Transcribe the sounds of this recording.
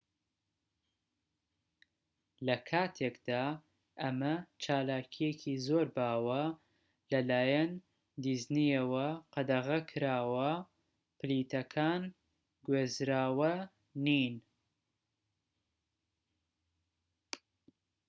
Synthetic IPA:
lɐkʰaːt̪ʰeːkd̪aː | ʔɐmɐt͡ʃʰaːlaːcʰijecʰiːzoːɾbaːwɐ | lɐlaːjɐn | d̪iznijɐwɐqɐd̪ɐɣɐkʰɨɾaːwɐ | pɨlit̪ɐkʰaːn | ɡweːzɾaːwɐ | nin

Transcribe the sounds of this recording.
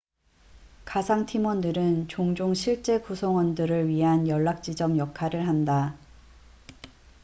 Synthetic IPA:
kasʰaŋtʰimʌndɯɾɯnt͡ɕoŋd͡ʑoŋɕʰiɭt͡ɕ͈e̞kusʰʌŋwʌndɯɾɯɭɥiɦanjʌɭːak̚t͡ɕ͈id͡ʑʌmjʌkʰːaɾɯɭɦanda

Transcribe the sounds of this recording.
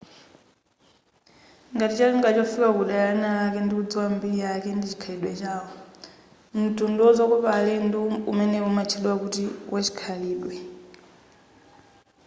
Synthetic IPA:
ŋɡatit͡ʃaliŋɡat͡ʃɔfikakuɗajanalakɛndiud͡ziwambijakɛndit͡ʃi̥kʰaliɗwɛt͡ʃaːwɔ | m̩tundɔd͡zɔkɔpalɛndumɛnɛumat͡ʃʰiɗwakutiwʔat͡ʃi̥kʰaliːɗwɛ

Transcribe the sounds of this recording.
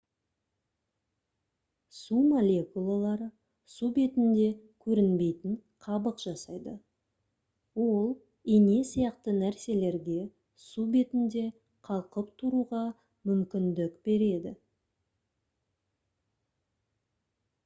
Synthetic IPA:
sumolʲe̞kulˠalˠɑɾə | sube̞t̪ɪnd̪e̞kʲʰɵɾɪnbe̞jt̪ɪɴqʰɑbəqʒ̥ɑsɑjd̪ə | wo̞lˠ | ene̞sijɑqt̪ənæɾse̞le̞ɾɡʲe̞ | sube̞t̪ɪnd̪e̞ | qʰɑlˠqəpt̪ʰʊɾuʁɑ | mʏmkʲɪnd̪ɪkb̥e̞ɾe̞d̪ɪ

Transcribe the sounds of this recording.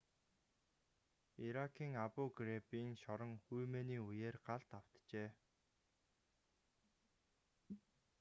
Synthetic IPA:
iɾakʰiːŋapʊːɡrepiːŋʃɔɾə̆ŋxujmeːniːujeːrɢaɮt̪aw̥t̪t͡ɕeː

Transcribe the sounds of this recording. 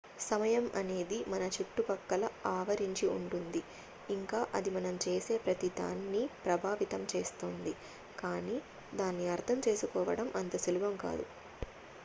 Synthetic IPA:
sɐmɐjɐmʔɐ̰ne̞ːd̪imɐnɐt͡ʃiʈːupɐkːɐlɐaːʋɐɾiɲt͡ʃiuɳʈund̪i | iŋkaːʔɐd̪imɐnɐmt͡ʃe̞ːse̞ːpɾɐt̪id̪a̰ːnːipɾɐbʱaːʋit̪ɐmt͡ʃe̞ːst̪oːnd̪i | kaːniː | d̪aːnːiɐɾt̪ʰɐmt͡ʃe̞ːsukɔːʋɐ̰ɽɐmʔɐnt̪ɐsulubɐmka̰ːd̪u

